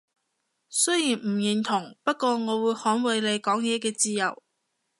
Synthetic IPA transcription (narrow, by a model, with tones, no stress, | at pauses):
sɵ˥ɥjiː˨˩nm̩˨˩ji˨ŋt̪ʰʊ˨˩ŋpɐ˥t̚kʷɔː˧ŋɔː˨˧wuː˨˧jhɔː˨˥nwɐ˨˧jle˨˧jkɔː˨˥ŋjɛː˨˧kɛː˧t͡siː˧jɐ˨˩w